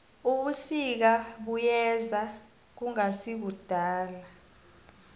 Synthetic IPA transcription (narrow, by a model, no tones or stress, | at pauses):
uɓusik̬aɓujɛza | k̬uŋasiɓud̥ʱaːla